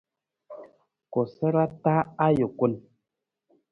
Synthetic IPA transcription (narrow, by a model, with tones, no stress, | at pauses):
ko˨sə˦ɾa˦ta˦a˦jo˨ku˦n